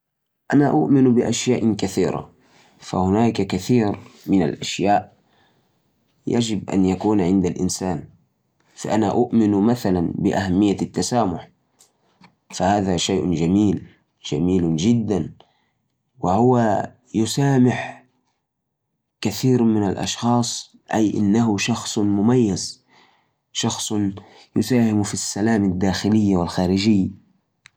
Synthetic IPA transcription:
ʔanaʔʊʔmɪnbɪʔaʃjaːʔkaθiːɾa̰ | fa̰hʊnaːkakaθiːɾmɪna̰lʔaʃjaːʔ | ja̰d͡ʒɪbʔa̰njakuːnʕɪnd̪alʔɪ̰nsaːn | fa̰ʔanaʔʊʔmɪnmaθalanbɪʔahamːɪjːat̪ːasaːmʊħ | fahaːðaʃajʔd͡ʒamiːl | d͡ʒa̰miːld͡ʒɪd̪ːan | wɪhʊwa | jʊsaːmɪħ | kaθiːɾmɪnalʔɑ̰ʃxɑːsˤ | ʔajʔɪ̰nːaɦʊʃɑxsˤmʊmajːaz | ʃɑxsˤ | jʊsaːhɪmfisːalaːmad̪ːaːxɪlɪjːawɪlxaːɾɪd͡ʒɪjːa

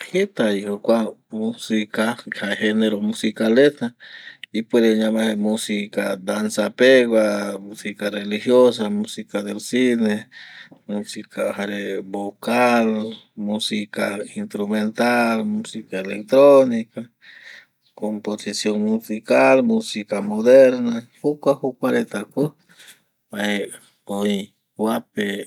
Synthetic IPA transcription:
het̪aihokʷamusikahaheneɾomusikalet̪aipwed̪eɲamahemusikad̪ansapeɣwamusikarelihjos̬amusikad̪elsinemusikahaɾebokalmusikainst̪ɾument̪almusikaelek̚t̪ɾonika | komposisjoŋmusikalmusikamod̪eɾnahukʷwahukʷaɾet̪aku | mae | oi | wape

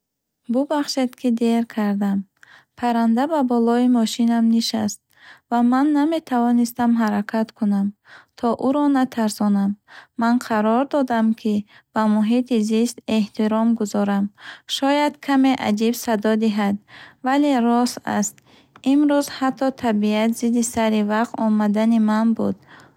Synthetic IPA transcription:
bubaχʃed̪kʰid̪e̞ɾkʰaɾd̪ampʰaɾand̪ababɔlɔimɔʃinamniʃast̪̚vamanːame̞t̪ʰavɔnist̪amɦaɾakʰat̪kʰunamt̪ʰɔʔuɾɔnat̪ʰaɾsɔnamːanqʰaɾɔɾd̪ɔd̪amkʰi | b̥amuɦit̪ʰizist̪e̞ht̪ʰiɾɔmɡuzɔɾamʃɔjad̪kʰame̞ʔa̰d͡ʒibsad̪ɔd̪iɦad̪̚valeɾɔsa̰st̪ | imɾuzhat̪ʰːɔt̪ʰabiat̪zid̪isaɾivaqt̪ɔmad̪animanbud̪

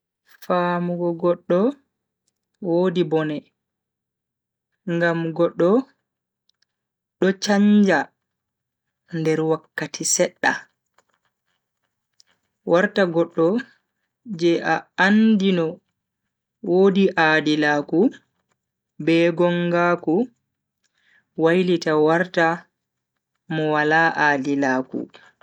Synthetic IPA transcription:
faːmuɡɔɡɔɗːɔ | woːdibɔnɛ | ŋɡamɡɔɗːɔ | ɗɔt͡ʃaɲd͡ʒa | ndɛɾwakːatʰisɛɗːa | waɾtaɡɔɗːɔ | d͡ʒɛʔaandinɔ | woːdiʔaːdilaːku | bɛɡɔŋɡaːku | wajlitawaɾta | mɔwalaːʔaːdilaːkṵ

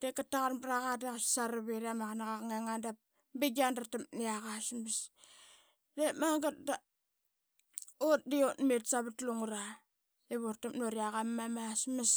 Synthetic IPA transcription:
d̥ekataɣanbɾaɣadaassaɾaβiɾamakanaɣakŋeŋandap̚ | biɡandatamniaɣasmas | demaŋɡat̚da | ot̚diotmetsaβatluŋuɾa | eβortamnoɾiaɣamːamasmas

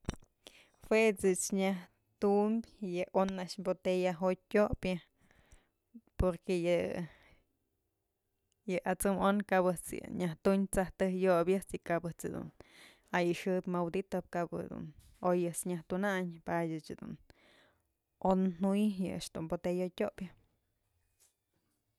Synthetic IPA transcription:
fwet͡sɨt͡ʃɲah | t̪umbʲjɨʔonaʔaʃmbot̪ejaɦot̚ːʲoʔpjɨ | poɾkejɨ | jɨʔat͡sɨmonkabɨt͡sjɨ̰ɲaht̪uɲt͡saht̪ɨhjobjɨt͡sikabɨt͡sɨd̪ṵn | ajɨʂɨpmawd̪it̪op̚kab̰d̪ṵn | ojɨt͡sɲaht̪unaɲpadʲɨt͡ʃɨd̪ṵn | onnujjɨ̰a̰ʃd̪̥unbot̪ejotʲopʲjɨ

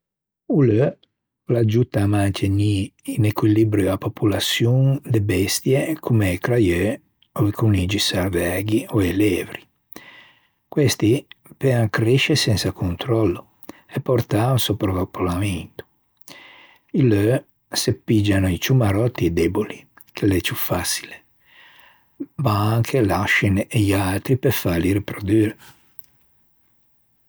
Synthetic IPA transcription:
ulø | lad͡ʒut̪ːamant̪ʰeɲiinekwilibɾjoapopulasjund̪ebɛst̪jekʰumekɾajø | oikunid͡ʒisaɾvɛɡioɛleːvɾi | kwɛst̪ipeaŋkɾeʃesɛnsakunt̪ɾɔlːo | ɛpːoɾt̪aunsopɾovapʰːolament̪o̥ | ilø | sepːid͡ʒːanoit͡ʃumaɾɔt̪ːiɛd̪ɛboli | kʰelet͡ʃufːasi̥le | maaŋkʰelaʃineʎalt̪ɾipefaliɾipɾod̪yːɾe

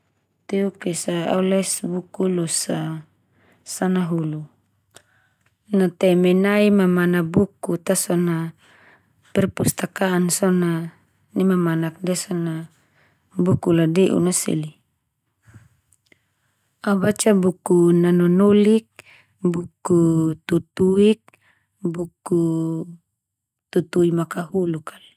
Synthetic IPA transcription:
t̪ɛukɛsaa̰ulɛsbukulusa | sanaɦulu | nat̪ɛmɛnaimamanabukut̪asɔna | pɛrpust̪akaːnsɔna | nimamanak̚diasɔna | bukuladɛʔṵnasḭli | abat͡ʃabukunanɔnɔlik̚ | bukut̪ut̪uik̚ | buku | t̪ut̪uimakahulukal

